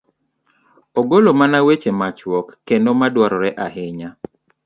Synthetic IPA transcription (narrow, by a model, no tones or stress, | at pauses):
ɔɡolomanawet͡ʃemat͡ʃwɔkːendomadwaɾɔɾɛʔahɪɲa